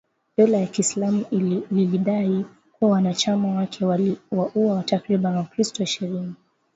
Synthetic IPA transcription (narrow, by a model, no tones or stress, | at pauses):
ɓɛlajakiːslamuliliɗai | kuawanat͡ʃamawakʰɛawaʔuawatakɾiɓanwakɾistɔiʃɛɾini